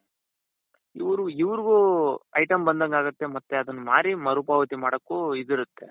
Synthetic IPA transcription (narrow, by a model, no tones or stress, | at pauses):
iʋɐɾuiʋɐɾɡuɐjʈɐmbɐnd̪ɐŋɡaːɡut̪ːemɐt̪ːeɐd̪ɐnːuma̰ːɾimɐɾubaːʋɐt̪imaːɽɐkːuid̪iɾut̪ːe̞̰